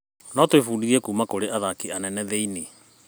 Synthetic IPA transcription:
nɔtwefuːdiɣɛkuːmakoɾeaðakianɛnɛðeine

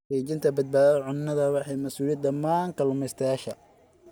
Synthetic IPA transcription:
ɛt͡ʃɪnt̪ʰɐbɐd̪̚baːðɐʕʊnːɐðɐwɑħɑjmɐsuːlijɐd̪ɐmːaːŋkʰɐlʊmɛjst̪ʰɐjaːʃɐ

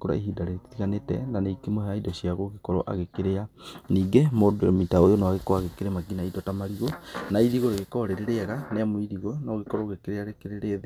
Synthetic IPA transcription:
koɾa̰eɦiːdaɾeeti̥tiɣanetɛ̰naneikemoɦaidɔɕiaɣoɣekɔɾɔʔa̰ɣekeɾeaniːɡemodomitaojonawaɣekwaɣekeɾemaɡinaidwɔtamaɾiɣonaiðiɣoɾeɣekɔɾeɾeɾeɣaneamwiðiɣonɔɣekɔɾɔɣekeɾeaɾekeɾeɾeðe

